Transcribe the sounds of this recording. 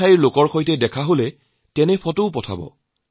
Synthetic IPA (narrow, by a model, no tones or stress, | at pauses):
ajiɹlokɔɹxojtɛdɛkʰaɦolɛ | tɛnɛpʰɔtʊʊpɔtʰa̰bɔ̰